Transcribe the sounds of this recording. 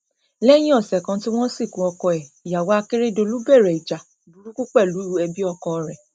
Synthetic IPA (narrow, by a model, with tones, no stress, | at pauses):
lɛ˦j̃ĩ˦ɔ˦˨sɛ˨kã˧ti˦w̃ɔ̃˦si˦˨kũ˨˦ɔ˧kɔ˧ɛ˨ja˨wa˨˦a˧ke˦ɾe˦do˧lu˦bɛ˦˨ɾɛ˨i˨d͡ʒa˨bu˨ɾu˦ku˦k͡pɛ˦˨lu˨˦i˦ɾu˦ɛ˧bi˦ɔ˧kɔ˧ɾɛ˨